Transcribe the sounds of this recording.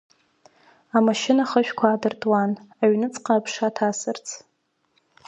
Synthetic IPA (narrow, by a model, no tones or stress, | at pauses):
amaʃɪnaχəʃᶣkʷʰaːdɨrtʼwanaɥnɨt͡sʼqʼaːpʰʂatʰasɨrt͡sʰ